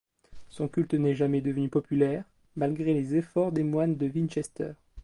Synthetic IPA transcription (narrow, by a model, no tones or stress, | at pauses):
sɔ̃kʲylt̪nɛʒamɛd̪əvənypɔpylɛʁ | malɡʁelezefɔʁd̪emwand̪əvinʃɛst̪œ̰ːʁ